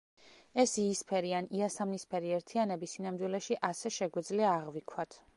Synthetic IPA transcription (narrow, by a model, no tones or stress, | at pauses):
ɛsiːspʰɛɾianiasamnispʰɛɾiɛɾt̪ʰianɛbisinamd̪wilɛʃiʔasɛʃɛɡwɛd̪zliaːʁvikʰwat̪ʰ